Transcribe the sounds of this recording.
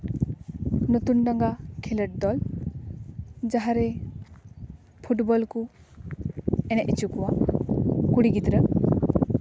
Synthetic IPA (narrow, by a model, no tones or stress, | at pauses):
not̪unɖaŋɡakʰiləʈ̚d̪ɔl | d͡ʒaɦaɾɛ | pʰuʈbɔlku | ɛnɛʔit͡ʃukuwa | kuɽiɡid̪ɾə